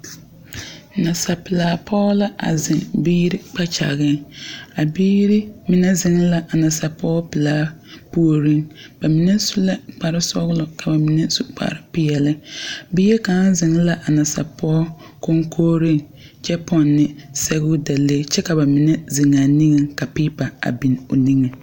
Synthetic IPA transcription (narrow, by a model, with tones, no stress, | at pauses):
na˨sa˨pɪ˨laː˨˦pʰɔ˦la˦ʔa̰˨zɪ˨ŋbiː˦ɾɪ˦k͡pa˦t͡ʃa̰˨ɣɪ˦ŋa˨biː˦ɾi˦mɪ˨˦nɛ˦zɪ˨ŋ˦la˨ʔa˨na˨sa˨pɔː˦pɪ˨laː˨˦pu˦o˨ɾi˦ŋb̥a˨mi˨nɛ˦su˦la˦k͡pa˨ɾɪ˦sɔ˦ɣlɔ˨ka˨ba˨mi˨nɛ˦su˦˨k͡pa̰˨ɾɪ˦pɪ˦jɛ˨lɪ˦biː˦je˦ka˨˦zɪ˨ŋ˦la˦ʔa˨na˨sa̰˨pɔː˦ | ko˦ŋkʰoː˦ɾi˦ŋ | t͡ʃɛ˦pɔ˨nːɪ˨sɛ˦ɣʊ˦da˨le˦t͡ʃɛ˦ka˨ba˨mɪ˨nɛ˦zɪ˨ŋa˨ni˦ŋɪ˨ŋka˨pi˦pa˨a̰˨bi˨no̰˨ni˦ŋɛ˨